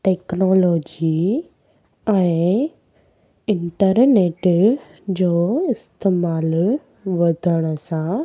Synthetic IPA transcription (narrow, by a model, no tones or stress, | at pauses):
ʈeːknɔːloːd͡ʒi | ɛ̃ɪ | ɪɳʈəɾneːʈ | d͡ʑoːɪst̪eːmaːl | ʋɐd̪ʱəɽ̃sã